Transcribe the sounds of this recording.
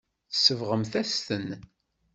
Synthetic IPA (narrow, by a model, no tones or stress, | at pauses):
θəsəvʁəmθæst̪ən